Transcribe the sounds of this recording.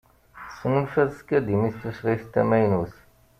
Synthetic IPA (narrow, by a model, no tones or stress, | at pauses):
sːənulfæðskːæd̪imist̪usʁiθt̪ːæmæjnuθ